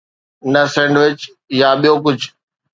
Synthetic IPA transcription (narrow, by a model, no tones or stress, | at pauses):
nəsẽːɳɖʋɪt͡ɕ | jaɓijokʊd͡ʑʱ